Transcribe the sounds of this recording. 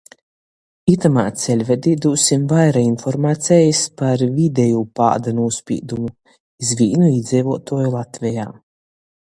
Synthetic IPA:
it̪amaːt̪sɛlʲvɛd̪id̪uːsimvajɾainfɔɾmaːt̪sʲɛjispaɾvʲid̪ʲɛjupa̰ːd̪anuːspʲḭːd̪umu | izvʲiːnuid̪zʲɛjvɔt̪uɔjulˠat̪vʲɛjaː

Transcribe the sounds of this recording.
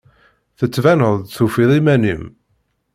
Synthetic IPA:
θət͡sːvænəðˤd̪θufiðˤimænḭm

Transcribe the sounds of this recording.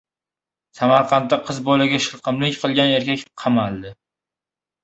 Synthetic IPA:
samaɾqʰɑnt̪ːaqʰɨzbolaɡʲaʃɪlˠqʰɨmlɪkʲqʰɨlˠɡʲane̞ɾkʲakʲqʰɑmalˠd̪ɪ

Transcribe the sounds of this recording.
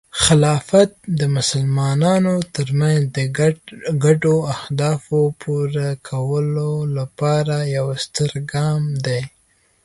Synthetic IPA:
xɪlɑfat̪̚d̪əmʊsəlmɑnɑnot̪əɾmanzd̪ə | ɡaɖoahd̪ɑfopʰoɾakʰawəlolapɑɾajawst̪əɾɡɑmd̪ej

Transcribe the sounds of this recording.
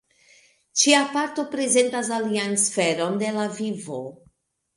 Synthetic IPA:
t͡ʃiapaɾto̞pɾe̞ze̞ntas̬aliansfe̞ɾo̞nde̞lavivo̞̰

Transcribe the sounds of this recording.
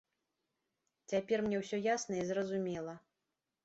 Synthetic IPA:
t͡sʲapʲɛrmnʲɛwsʲɔjasnɐizrɐzumʲɛlˠɐ

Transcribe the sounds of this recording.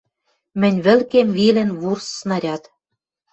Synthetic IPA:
mɘ̆nʲβɘ̆lkemβilɘ̆nβursːnɑɾʲɑt̪

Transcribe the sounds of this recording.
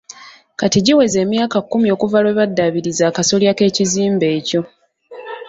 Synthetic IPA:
katiɟiwe̞ze̞ːmjaːkakːumio̞ːkuvalwe̞βadːaβiɾizaːkaso̞ljake̞ːciziːmbe̞ːco̞

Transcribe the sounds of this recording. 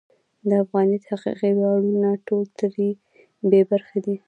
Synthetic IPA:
d̪əafɣɑnid̪haqḭqiwɑɽunaʈolt̪əɾi | bebaɾxad̪i

